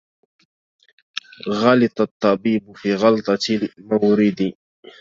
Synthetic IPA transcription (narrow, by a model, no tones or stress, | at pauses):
ɣɑlɪt̪ˤɑt̪ˤːɑbiːbfiːɣɑlt̪ˤɑmawɾɪd̪i